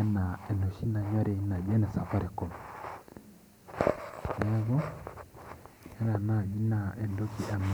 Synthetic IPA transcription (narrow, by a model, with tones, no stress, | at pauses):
na˨ɛ˨nɔ˨ʃi˦na˨ɲa˦ɾe˨˦na˨d͡ʒɛ˦nɛ˨sa˨fa˦ɾɛ˨kɔ˨m | nɛ˦βɔ˦ | ɛ˦na˨na˦˨ɡi˦na˨ʔɛ˨ndo˦ki˨ʔɛ˨m